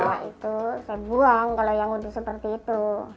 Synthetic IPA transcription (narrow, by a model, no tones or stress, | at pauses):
aʔit̪usajabuaŋkalojaŋudɪsəpərt̪iːt̪u